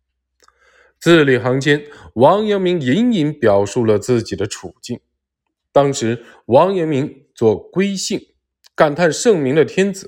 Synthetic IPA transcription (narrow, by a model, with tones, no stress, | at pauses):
t͡sɹ̩˥˩li˨˩xɑ˧˥ŋt͡ɕjɛ˥nwɑ˧˥ŋjɛ˧˥nmi˧˥ŋji˧˥ni˧˥npjɑ˨˩ʊʂu˥˩lə˩t͡sɹ̩˥˩t͡ɕi˨˩d̪ə˦ʈ͡ʂʰu˨˩t͡ɕi˥˩ŋ | t̪ɑ˥ŋʂɻ̩˧˥ | wɑ˧˥ŋjɛ˧˥nmi˧˥ŋ | t͡swɔ˥˩kwe˥ɪɕi˥˩ŋ | ka˨˩nk̪ʰa˥˧nʂɤ˥˩ŋmi˧˥ŋd̪ə˧t̪ʰjɛ˥nt͡sɹ̩˨˩˦